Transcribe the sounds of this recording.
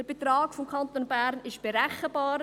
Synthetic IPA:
əb̥etɾaːkfɔmkʰɑnt̪onbæɾnɪʃb̥eɾɛχəbɑːɾ

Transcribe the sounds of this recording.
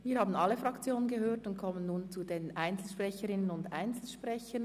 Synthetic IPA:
viːɐhaːbn̩alːəfʁɑkt͡sjoːnənɡəhøːɐtʊntkʰɔmənːuːnt͡sudeːnʔaɪnt͡sl̩ʃpʁ̥ɛçəɾɪnənʊnda̰ɪnt͡sl̩ʃpʁɛçən

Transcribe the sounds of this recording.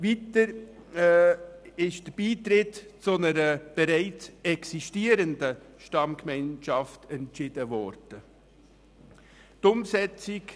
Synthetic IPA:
vitəɾ | ɪʃd̥əb̥iːtɾɪtt͡sʊnəɾəb̥ɛɾæɪt͡sɛksiʃtiːəɾəndəʃtɑmkmɛɪnʃɑftɛntt͡ʃɪd̥əvɔɾd̥ə | tʊmsɛt͡sɪk

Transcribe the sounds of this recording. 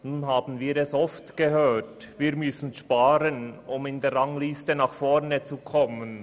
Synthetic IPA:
nuːnɦaːbn̩viːɾɛsɔftɡ̥əhøːtviːɾmʏsn̩ʃpaːɾənʊmɪndeːrʁɑŋliːstənɑːχfɔɾnət͡sukʰɔmən

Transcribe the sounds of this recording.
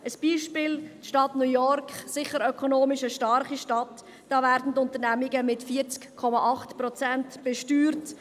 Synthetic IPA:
ʔəsb̥iːʃpɪːlʃtɑtnujɔɾkχsɪχəɾœkʰɔnoːmɪʃəʃtɑɾχiʃtɑt | d̥ɑːvæːɾdn̩tʊnt̪əɾnæmɪɡəmɪtfiːəɾt͡skkʰɔmɑʔɑχtpɾɔt͡sæntb̥ɛʃtyːɾt

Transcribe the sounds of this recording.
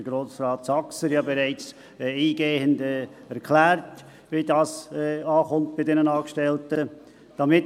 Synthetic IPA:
əɡ̥ɾosrɑːtsɑksəɾjɑːbeɾaɪt͡sː | iːɡeːhəndɛ | æɾkʰlæːɾt | ʋidɑːsɑːχʊmt̚b̥ɪdɛnənɑːkʃtɛltə | d̥amɪt

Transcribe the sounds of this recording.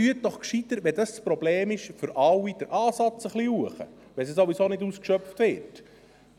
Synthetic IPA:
yət̚d̥ɔχkʃit̪əɾtʋɛdəsspɾɔbleːmɪʃfʏɾʔɑwːid̥əɾʔɑːsɑt͡səχliuəχə̰ | ʋɛsisoʋisoːnɪduːskʃœpft̪ʋɪɾt

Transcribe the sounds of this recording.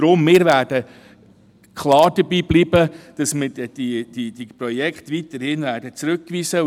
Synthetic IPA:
ɾʊmːɪːɾvæːɾd̥ə | kʰlɑːɾd̥əbiːbliːbəd̥ɑsmɪdɛd̥id̥id̥ipɾɔjɛkχt̪ʋitəɾhɪnvæːrd̥ət͡sɾɵkːʋiːsə

